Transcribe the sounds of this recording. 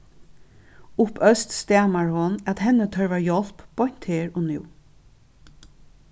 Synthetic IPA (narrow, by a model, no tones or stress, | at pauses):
ʊpʰœst̪st̪æːmaɹhʊnat̪ɦɛnːət̪ʰœɹvaɹjɔl̥pːɔjn̥t̪heːɹɔnɪ̰w